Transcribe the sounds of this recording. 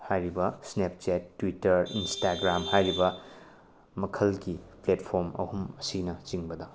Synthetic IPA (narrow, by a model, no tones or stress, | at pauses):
hajɾibɐsnep̚t͡ʃetːwitɐɾinstaɡɾamhajɾibɐ | mɐkʰɐlɡipletpʰoɾmɐ̰humɐsinɐt͡ʃiŋbɐdɐ